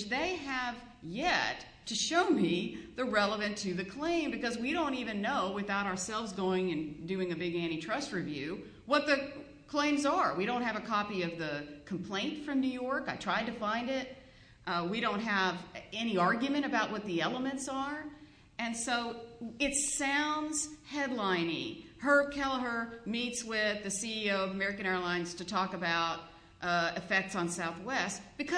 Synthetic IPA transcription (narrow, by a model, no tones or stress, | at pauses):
ðeɪɨv̥ | jɛtʰɨʃoʊmiðɨɹɛlˠəvɨ̃ntʰɨðɨkʰl̥ẽɪ̃mbɨkʌzwiɾõʊ̃ntivɨ̃nːoʊwɨθaʊɾə˞sɛlˠvzɡoʊɪ̃ŋɨ̃ndʉɪ̃ŋɨbɪɡɛñitʰɹ̥ʌst̚ɹivjʉ | wʌt̪̚ðɨ | kʰl̥ẽɪ̃mzə˞wiɾõʊ̃nt̚ɦɨvɨkʰɑpiʌvðɨkʰm̩pʰl̥ẽɪ̃ntfɹʌ̃mnʉjɔɹkaɪtʰɹ̥aɪd̚tɨfãɪ̃ndɪt̚ | ʔwiɾõʊ̃nt̚ɦɨvɛñiɑɹɡjɨmɨ̃ɾ̃ɨbaʊʔ̚wʌt̪̚ðiɛlˠəmɨ̃ntsə˞ | ɨ̃nsoʊɪtsãʊ̃ndz̥hɛdˡlãɪ̃nɪ̰̃ŋhə˞kʰɛlˠə˞mitswɪðɨsiioʊʌvəmɛɹɨkɨ̃ɛɹəlãɪ̃nz̥tʰɨtʰɔkɨbaʊt̚ | ʔɨfɛk̚tsn̩saʊθwɛst̚b̥ɨkʰʌ